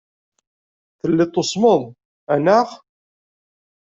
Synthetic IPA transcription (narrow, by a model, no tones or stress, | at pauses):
θəlːɪt̪ˤːosˤmoðˤ | ænaχ